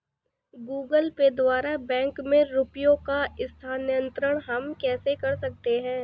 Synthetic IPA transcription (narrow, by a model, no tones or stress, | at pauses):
ɡuːɡəlked̪waːɾabɛ̃ːŋkmẽɾʊpjõkaɪst̪ʰaːnjə̃nt̪ɾəɽ̃ɦɐmkɛːsekɐɾsɐk̚t̪eɦɛ̃ː